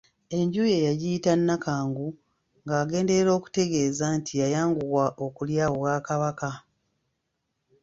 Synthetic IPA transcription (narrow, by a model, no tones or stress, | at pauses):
e̞ɲɟuːje̞jaɟiitanːakaːŋɡu | ŋɡaːɡe̞ːnde̞ɾeɾo̞ːku̥te̞ɡe̞ːzantʰijajaːŋɡuɣwaʔokuljaːwo̞βwaːkaβaka